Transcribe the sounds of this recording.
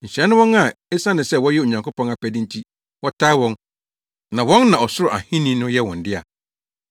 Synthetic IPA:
ɲ̩˨ɕɾɛ˨˦nʊ̃˦wɔ̃˦na˦˨e˦sã˦nɪ̃˨sɛ˦˨wɔ˦jɛ˦o˨ɲã˨ŋkʰo˦pʰɔ̃˦na˨pʰæ˨dɪ̃˦n˦tʰi˦ | wɔ˦tʰa˦wɔ̃˦n | nã˨wɔ̃˦nːã˨ɔ˨sʊ˦ɾʊ˨ʔa̰˨hĩ˦nĩ˦nʊ̃˦jɛ˦wɔ̃˨n˨dɪ˦a̰˨

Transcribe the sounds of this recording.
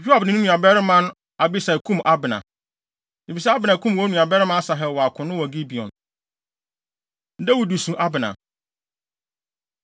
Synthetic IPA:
pᶣi˦a˨bɪ˨nɪ̃˨˦ʊ̃˦nũ˨a˨bɛ˦ɾɪ˦mã˦ñ˦ | a˨bi˦sa˨kʰũ˦mʔa˦bɪ˨nã̰˨ | ni˨fi˨sɛ˦a˦bɪ˨nã˨kʰũ˦m˨wɔ˦nũ˨a˨bɛ˦ɾɪ˦mã˦a˦sa˨ɦɛ˨wɔ˨a˨kʰʊ̃˨nʊ̃˦wɔ˨ɡi˦bi˨ɔ̰̃˨n | n̩˦dɛ˦wu˨du˨sũ˨ʔa˦bɪ˨nã̰˨

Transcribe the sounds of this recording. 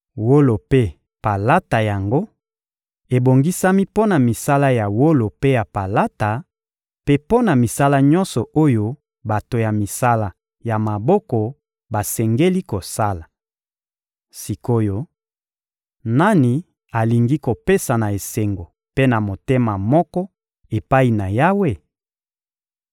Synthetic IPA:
wo˦lo˨pe˦ | pa˨la˦ta˨ja˨ŋɡo˦ | e˨bo˨ŋɡi˦sa˦mi˦po˦na˨mi˨sa˦la˦ja˨wo˦lo˨pe˦ja˨pa˨la˦ta˨ | pe˦po˦na˨mi˨sa˦la˦ɲɔ̃˦nsɔ˨ʔo˦jo˦ | ba˨to˨ja˨mi˨sa˦la˨ | ja˨ma˨bɔ˦kɔ˨ | ba˨sɛ˨ŋɡe˦li˦ko˨sa˦la˨ | si˨ko˦jo˦ | na˦ni˨ | a˨li˨ŋɡi˦ko˨pe˦sa˨na˨e˨se˨ŋɡo˨ | pe˦na˨mo˨te˦ma˨mɔ˦kɔ˦ | e˨pa˦i˨na˨ja˦we˦

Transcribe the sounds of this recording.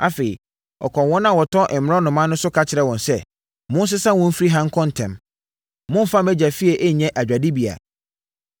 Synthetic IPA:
a˦feː˨i˨ | ɔ̰˨kʰɔ̃˨wɔ̃˦nã˦˨wɔ˨tʰɔ˦ʔɪ˨m̩mɪ̃˨ɾɔ̃˦nʊ̃˨mã˦nːʊ̃˦sʊ˦kʰa˦t͡ɕʰɪ˨ɾɛ˦wɔ̃˨nsɛ˦ | mʊ̃˦n˦s̬ɪ˦sã˦wʊ̃˦m̩˦fi˦ɾi˦ɦã˦ŋ̩˦kʰɔ̃˦n̩˨tʰɛ̰̃˨m | mʊ̃˦m̩˦˨fã˦mæ˦d͡ʑæ˨fi˦ɛ˨ʔe˦˨ɲɛ̃˦ʔæ˨d͡ʑᶣa˨dɪ˦bi˨a̰˨

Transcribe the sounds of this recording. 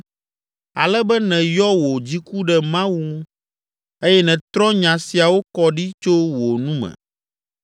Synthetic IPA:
a̰˨lɛ˦bɛ˦nɛ̃˨jɔ˦wo˨d͡ʑi˦ku˦ɖɛ˨mã˦wu˦ | e˦jɛ˦nɛ̃˨t̪ɾɔ̃˦ɲã˨si˨a˨wo˦kɔ˦ɖi˦t͡ʃo˦wo˨nũ˦mɛ̰̃˨

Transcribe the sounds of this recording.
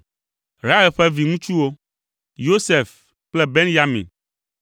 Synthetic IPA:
ɾa˦ɛ˨ɸɛ˦vi˨ŋũ˦t͡ʃu˦wo˦ | jo˦sɛ˨f | plɛ˦be˦nja˦mḭ̃˨n

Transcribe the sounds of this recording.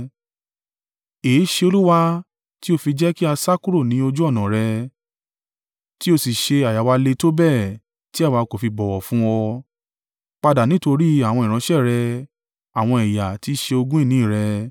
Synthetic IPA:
e˨˦ʃe˧o˧lu˦wa˦ | ti˦o˧fi˧d͡ʒɛ˦ki˦a˧sa˦ku˦ɾo˦˨nĩ˨˦o˧d͡ʒu˦ɔ˦˨nã˨ɾɛ˧ | ti˦o˧si˨ʃe˧a˨ja˨wa˧le˧to˦bɛː˦˨ | ti˦a˦˨wa˧ko˨fi˧bɔ˨wɔ˨fũ˦wɔ˧ | k͡pa˧da˨nĩ˨˦to˧ɾi˦a˦˨w̃ɔ̃˧i˨ɾ̃ã˨˧˦ʃɛ˦˨ɾɛ˧ | a˨w̃ɔ̃˧i˨ja˨ti˨˦ʃe˧o˧ɡũ˦i˦˨nĩ˨˦i˦˨ɾɛ˧

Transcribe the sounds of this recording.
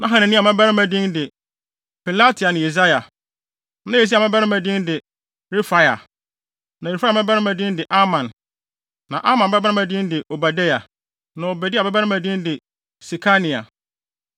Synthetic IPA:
nã˦ɦã˨nɪ̃˨nĩ˦a˨mã˦ba˦ɾɪ̃˦mæ̃˨dĩ˦ndɪ˨ | pʰi˨la˦tʰi˨a˨nɪ̃˨i˨s̬a˦ja˨˦ | nã˦je˨s̬i˦a˨mã˦ba˦ɾɪ̃˦mæ̃˨dĩ˦ndɪ˨ | ɾi˦fa˦ja̰˨ | nã˨ɾi˨fa˦˨mɛ̃˦ba˦ɪ̃˦mæ̃˨dɪ̃˦n˦dɪ˨ʔa˦mã˨nː | ã˨ʔa˦mã˨nbɛ˦ba˦ɾã˦mæ̃˨dɪ̃˦ndɪ˨ʔo˨ba˨de˦ja˨ | nã˨o˨bæ˨dɪ˦a˨bɛ˦ba˦ɪ̃˦mæ̃˨dĩ˦n˦dɪ˨ | si˨kʰa˦nĩ˨a̰˨

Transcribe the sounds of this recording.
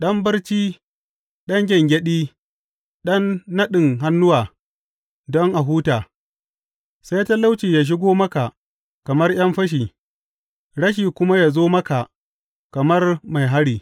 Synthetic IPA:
ɗɐ˦mbɐ˦rt͡ʃiː˦ | ɗɐ˦ŋɡʲɛ˨ŋɡʲɛ˦ɗiː˦ | ɗɐ˦nːɐ˦ɗɪ˨ŋɦa˦nːʊ˦waː˨ | dɔ˦ŋʔa˨ɦuː˦taː˨ | sa˦jta˦la˦wt͡ʃiː˨jaː˨ʃ̬ɪ˦ɡʷoː˦mɐ˦ka˨ʔ | kɐ˨mɐ˦rj̰ɐ˦mɸɐ˦ʃ̬iː˨ | ɽɐ˦ʃiː˨kʷʊ˦ma˦jaː˨zoː˦mɐ˦ka˨ | kɐ˨mɐ˦rma˨jɦa˦ɽiː˨

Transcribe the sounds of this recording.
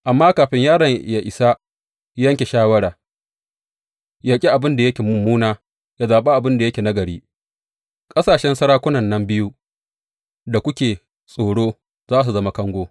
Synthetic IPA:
ʔa˨mːaː˦kaː˨ɸɪ˦ɲjaː˦ɽɐ˨ja˨ʔɪ˨sa˦ | ɐ˦ŋkʲe˨ʃaː˦wɐ˦ɽaː˨ | jaː˦kʲʼi˦ʔa˨bɪ˦nda˨jɐ˦kʲeː˨mʊ˨mːuː˦naː˦ | ja˦zaː˨ɓa˦ʔa˨bɪ˦nda˨jɐ˦kʲe˨na˦ɡɐ˨ɽḭː˦ | kʼɐ˦saː˨ʃɛ˦nsɐ˦ɾaː˦kʷʊ˦nɐ˨nːɐ˦mbɪ˦ju˦ | da˨kʷʊ˦kʲeː˨ | sʼoː˨ɽoː˦ | zaː˦s̬u˨zɐ˦ma˦kɐ˦ŋɡʷoː˦

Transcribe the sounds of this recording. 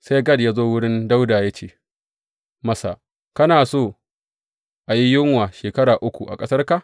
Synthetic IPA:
sa˦jɡɐ˦˨djaː˦zoː˦wʊ˦ɽɪ˦nda˦wdaː˨ja˦t͡ʃeː˨ | mɐ˦sa̰˨ | kɐ˦naː˨soː˦˨ | ʔa˨ji˦jɪ˦ŋwaː˨ʃeː˨kɐ˦ɽaː˨ʔʊ˦kʷu˨ʔa̰˨kʼɐ˦sɐ˦rka˦˨

